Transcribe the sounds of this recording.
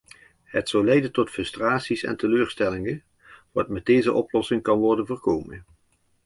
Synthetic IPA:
ɦətsɑwlɛjdəntɔtfɵstraːtsisɛ̰ntəløːɹstɛlɪŋə | ʋɑ̰tmɛd̚dejzə̰ʔɔplɔsɪŋkɑnʋɔɹdənvəɹkowmə̰n

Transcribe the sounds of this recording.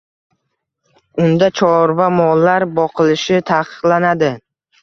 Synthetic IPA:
ʊnd̪at͡ʃʰɒɾvamɒlːaɾbɒqʰɨlɪʃɪt̪ʰaqʰɨ̥qlˠanad̪ɪ

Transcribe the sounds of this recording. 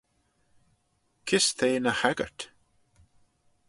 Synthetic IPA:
kʰɪst̪ʰeːnəhɛɡə̰ɹt̪

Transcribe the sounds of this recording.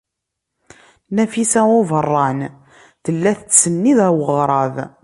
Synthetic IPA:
næfisæʊvərˤːɑn | ðəlːæθət͡st͡sːənːiðæwəʁɾˤɑð

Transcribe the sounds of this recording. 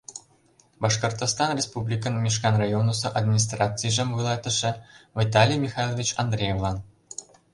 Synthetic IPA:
bɑʂkŏrt̪ost̪ɑnrʲespublʲikə̆nmʲiʂkɑnrajonusɤ̆ʔad̪mʲinʲis̬t̪rɑt͡sɨjʐemvulˠɑt̪ə̆ʂɘ̆vʲit̪ɑlʲijmʲixɑjlˠovʲit͡ɕɑnd̪rʲejevlˠɑn

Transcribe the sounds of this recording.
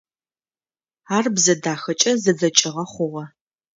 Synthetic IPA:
aːrbzɐdaːxɐt͡ʃʼɐzɐd͡zɐt͡ʃʼɪʁɐχʷʊʁɐ

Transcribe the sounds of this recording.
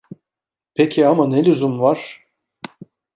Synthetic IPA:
pʰecʰiamanelʲyzumvaɾ̥

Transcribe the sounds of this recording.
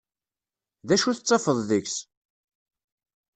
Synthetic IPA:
ðæʃuθət͡sˤːɑfəðˤðəçs

